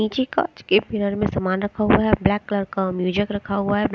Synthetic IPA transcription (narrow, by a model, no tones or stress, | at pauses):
iːt͡ʃika̰t͡ʃkebɪnəɾmẽsɐmaːnɾɐkʰaɦuaɦɛblɛːkːləɾkamjuːd͡ʒɪkɾɐkʰaɦʊaɦɛb